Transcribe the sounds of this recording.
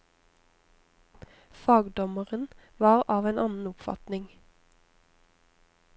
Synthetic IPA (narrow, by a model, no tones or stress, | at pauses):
fɑːɡd̪ɔməʁənʋɑːʁɑːʋeːnʔɑnn̩ʊpfɑ̰t̪nɪŋ